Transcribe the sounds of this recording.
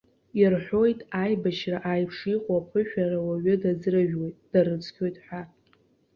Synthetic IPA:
irħʷo̞jtʼajbaʃraʔajpʰʂiqʷʼapʰɨʃᶣarawaɥʏdad͡zraʒᶣwo̞jtʼd̥aɾɨt͡sʰʼkʲʰo̞jtʼħʷᶣa

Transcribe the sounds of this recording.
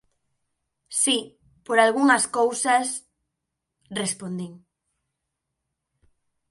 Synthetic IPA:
si | poɾalɣuŋaskowsas | respond̪iŋ

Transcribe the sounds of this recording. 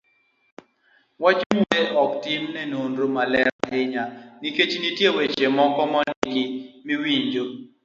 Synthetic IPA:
wat͡ʃmueʔɔktɪmnɛnonɾomalɛɾa̰ɦɪɲaniket͡ʃnitjewet͡ʃemɔkɔmɔniɡɪmiwiɲd͡ʒo

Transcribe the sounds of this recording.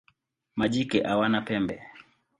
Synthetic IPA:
maʄikɛʔawanapɛmbɛ

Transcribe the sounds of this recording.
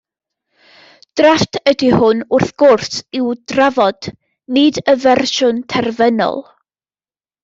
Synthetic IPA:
d̥raftʰədihʊnʊrθɡ̥ʊrsɪwdravɔd̥ | nɨdəvɛrʃʊntʰɛrvɛnɔ̰lˠ

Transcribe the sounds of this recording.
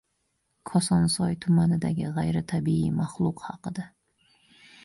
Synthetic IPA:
kʰɒsɒnsɒjt̪ʰʊmanɪd̪aɡʲɪʁajɾɪt̪ʰabiḭmaχlˠʊqhɑqɨd̪a

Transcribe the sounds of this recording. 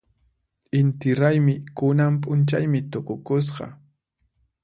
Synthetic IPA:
ɪnt̪ɪɾajmɪkʊnampʼʊnt͡ʃajmɪt̪ʊkʊkʊs̬ɢɑ̰

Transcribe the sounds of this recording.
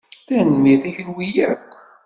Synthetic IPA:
θænmiθæçənwijækʷː

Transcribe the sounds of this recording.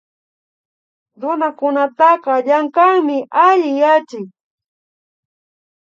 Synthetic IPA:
ɾʊnakʊnat̪ɑqɑʎaɴkɑŋmɪʔaʎɪjat͡ʃɪk

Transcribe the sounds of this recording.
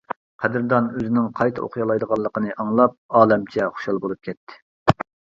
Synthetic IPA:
qʰæd̪ɨɾd̪ɑnøzɪnɪŋqʰɑjt̪ʰɨo̰qʰjɑlˠɑjd̪əʁɑlˠːəqənɨʔɑŋlˠɑp̚ɑːlˠɛmt͡ʃʰɛχo̥ʃɑlˠbolˠup̚kʲʰɛt̪ʰːɪ̥

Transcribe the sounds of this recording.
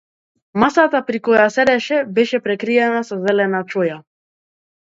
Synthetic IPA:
masat̪apɾikɔjasɛɾɛʃɛbɛʃɛpɾɛkɾiɛnasɔzɛlɛnat͡ʃɔja

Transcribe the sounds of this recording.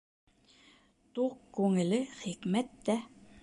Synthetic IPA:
t̪uqkːʉŋɘ̆lɘχikmæt̪ːæ

